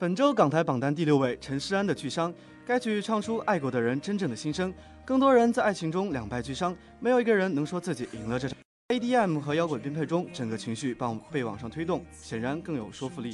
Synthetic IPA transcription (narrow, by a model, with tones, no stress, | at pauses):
pə˨˩nʈ͡ʂo˥ʊkɑ˨˩ŋt̪ʰa˧˥ɪpɑ˨˩ŋt̪a˥˧nt̪̬i˥˧ljo˥˧ʊwe˥˩ɪʈ͡ʂʰə˧˥nʂɻ̩˥a˥nd̪ə˨t͡ɕy˥˩ʂɑ˥ŋ | ka˥ɪt͡ɕʰy˥ʈ͡ʂʰɑ˥˩ŋʈ͡ʂʰu˥ʔa˥˩ɪkwɔ˧˥d̪ə˧ɻə˧˥nʈ͡ʂə˥nʈ͡ʂɤ˥˩ŋd̪ə˩ɕi˥ŋʂɤ˥ŋ | kɤ˥˩ŋt̪wɔ˥ɻə˧˥nt͡sa˥˧ɪa˥˩ɪt͡ɕʰi˧˥ŋʈ͡ʂʊ˥ŋljɑ˨˩ŋpa˥˧ɪt͡ɕy˥˩ʂɑ˥ŋ | me˧˥jo˨˩ʊi˧˥ɡə˧ɻə˧˥nnɤ˧˥ŋʂwɔ˥t͡sɹ̩˥˩t͡ɕi˨˩ʔi˨˩ŋlə˧ʈ͡ʂɤ˥˩ʈ͡ʂʰ | e˥ɪt̪i˥˧ɛ˥˩mxɤ˧˥jɑ˥ʊkwə˨˩p̬i˥npʰe˥˩ʈ͡ʂʊ˥ŋʈ͡ʂə˨˩ŋɡə˦t͡ɕʰi˧˥ŋɕy˥˩pɑ˥˩pe˥˩ɪwɑ˨˩ŋʂɑ˥˩ŋt̪ʰwe˥ɪt̪ʊ˥˩ŋ | ɕjɛ˨˩nɻa˧˥nkɤ˥˩ŋjo˨˩ʊʂwɔ˥fu˧li˥˩